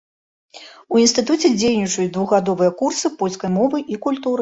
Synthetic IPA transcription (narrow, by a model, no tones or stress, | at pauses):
uinst̪ɨt̪ut͡sʲɛd͡zʲejnʲit͡ʂujut͡sʲd̪vuɣad̪ɔvɨjɐkursɨpɔlʲskɐjmɔvɨʔikulʲt̪uɾɨ